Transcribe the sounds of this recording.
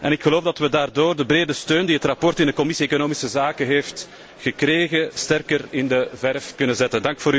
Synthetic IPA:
ʔɛnɪkxəloːvdɑtʋədaːrdoːrdəbɾeːdəstøːndiɦətrɑpɔrtɪndəkɔmɪsieːkonoːmisəzaːkəɦeːft | ɣəkreːɣəstɛrkərɪndəvɛrfkʏnənzɛtəndɑŋkfoːɾy

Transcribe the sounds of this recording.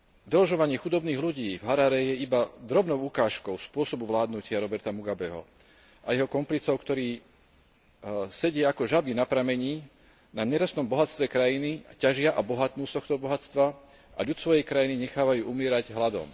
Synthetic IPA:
d̪ɛlɔʒɔʋaɲɪɛxud̪ɔbniːɣluɟiːvɦaɾaɾɛjɛibad̪ɾɔbnɔʊukaːʃkɔʊspʊɔsɔbuʋlaːd̪nucɪaɾɔbɛɾt̪amuɡabɛɦɔ̰ | ajɛɦɔkɔmplit͡sɔʊkt̪ɔɾiː | sɛɟɪɛakɔʒabinapɾamɛɲiː | naɲɛɾasnɔmbɔɦat̪t͡st̪ʋɛkɾajinicaʒɪaʔabɔɦat̪nuːst̪ɔxt̪ɔbɔɦat͡st̪ʋa | ʔa̰ʎud̪sʋɔjɛjkɾajiniɲɛxaːʋajuːʔumɪɛːɾaɟɦlad̪ɔ̰m

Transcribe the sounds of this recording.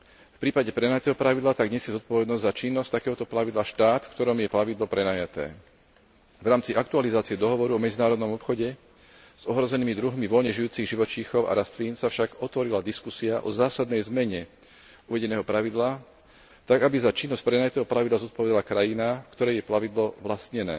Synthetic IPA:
fpɾiːpaɟɛpɾɛnaːjat̪ɛːɦɔpɾaʋid̪lat̪aɡɲɛsɪjɛzɔt̪̚pɔʋɛd̪nɔzzat͡ʃinːɔsʲt̪akɛːɦɔt̪ɔplaʋid̪laʃt̪aːt̪fkt̪ɔɾɔmjɛplaʋid̪lɔpɾɛnaːjat̪ɛ̰ː | vɾaːmt͡siʔakt̪ualizaːt͡siɛd̪ɔɦɔʋɔɾuɔmɛd͡zinaːɾɔd̪nɔmɔpxɔɟɛ | z̥ɔɦɾɔzɛniːmid̪ɾuɦmiʋɔlɲɛʒijuːt͡siɣʒiʋɔt͡ʃiːxɔʊa̰ɾast̪liːnsafʃaɡɔt̪ʋɔɾilad̪iskusiaʔɔzaːsad̪nɛjzmɛɲɛ | uʋɛɟɛnɛːɦɔpɾaʋid̪laː | t̪aɡabizat͡ʃinːɔscpɾɛnajat̪ɛːɦɔplaʋid̪lazɔt̪̚pɔʋɛd̪alakɾajinafkt̪ɔɾɛjɛplaʋid̪lɔʋlast̪ɲɛnɛ̰ː

